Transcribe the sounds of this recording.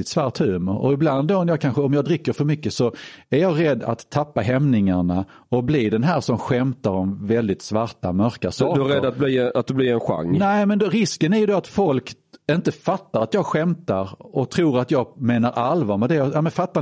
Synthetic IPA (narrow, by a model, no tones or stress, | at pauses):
ɪt̪svaɾʈ̪hʉ̟ːməɾɔ̰ɪbland̪ːɔnjɑːkʰanɧəɔmjɑːd̪ɾɪkːəɾfœɾmʏkːəsɔæɾjɑːɡɾɛd̪ːa̰t̪ʰːapːaɦɛmnɪŋaɳa | ɔbliːd̪ɛnɦæːɾʂɔmɧɛmt̪aɾɔmvɛld̪ɪt̪svaɾʈa̰mœɾkasːd̪ɵæɾɛd̪ːat̪̚bliːat̪̚d̪ɵbliɾɛnɧa̰ŋːnɛmɛnd̪ɾɪskənæɾjɵd̪oat̪fɔlk | ɪnt̪əfat̪ːaɾat̪jɑːɡɧɛmt̪aɾɔt̪ʰɾuːɾat̪jɑːɡmeːnaɾʔalvamɛd̪ɛɛmɛnfat̪ːa